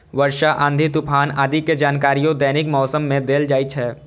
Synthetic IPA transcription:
ʋəɾʃaʔə̃nd̪ʱit̪ʊpʰaːnad̪iked͡ʒaːnkaːɾijõd̪ɛːnɪkmɔːsəmːẽd̪eːld͡ʒaːit͡ʃʰɦɛː

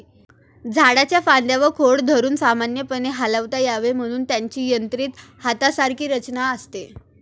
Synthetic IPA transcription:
d͡zʱaɽat͡ɕjafand̪jaʋəɾkʰoɽd̪ʱəɾuːnsamanjəpəneɦaləʋt̪ajaʋem̤əɽ̃uːnt̪jaɲt͡ɕiːjənt̪ɾiːt̪hat̪asaɾkʰiːɾət͡ɕnaəst̪e

